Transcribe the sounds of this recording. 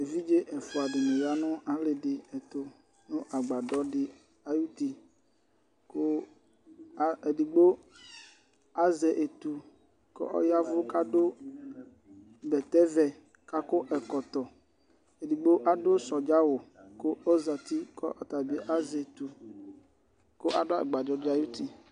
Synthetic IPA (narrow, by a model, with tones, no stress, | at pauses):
e˨vi˦d͡ʒe˦ʔɛ˨fʊ˨a˨ɖɪ˨nẽ˨ja˦nʊ̃˦a˨le˨ɖɪ˨ɛ˨t̪o˨ | nũ˦ʔa˨ɡ͡ba˨ɖɔ˦ɖɪ˨ | a˨ju˦t̪i˨ | ko˦ | e˨di˨ɡ͡bo˦ | a˦zɛ˨ʔe˨t̪u˨ | ko̰˦ʔɔ̰˦ja˦vʊ˦ka˦ɖo˦ | bɛ˨t̪ɛ˦vɛ˨ | ka˦ko˦ʔɛ˨kɔ˨t̪ɔ˨ | e˨di˨ɡ͡bo˦ʔa˦ɖo˦sɔ˨d͡ʒa˦wo˨ko˦o˦za˨t̪i˦kɔ̰˦ʔɔ˨t̪a˨bi˦ʔa˦zɛ˨t̪u˨ | ko˦ʔa˨do˦ɛ̰˨ɡ͡ba˨dɔ˨˦dɪ˦a˨ju˦t̪i˨